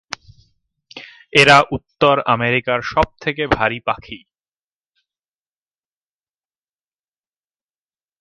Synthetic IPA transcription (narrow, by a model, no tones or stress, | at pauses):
eɾaʔut̪ːoɾa̰meɾikaɾʃɔb̚t̪ʰek̬ebʱaɾipakʰi